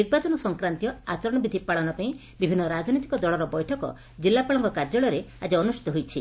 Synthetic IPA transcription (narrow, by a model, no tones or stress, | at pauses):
iɡ̚bat͡ʃɔnɔsɔŋkɾant̪ijɔat͡ʃɔɾɔɽ̃ɔbid̪ʱipaɭɔnɔpaĩ | bibʱinːɔɾad͡ʒnit̪i̥kɔd̪ɔɭɔɾɔbɔjʈʰɔkɔ̰ | d͡ʒilːapaɭɔŋkɔkaɾd͡ʒɔɭɔɾead͡ʒiɔnusʈʰi̥t̪ɔɦojt͡ʃʰi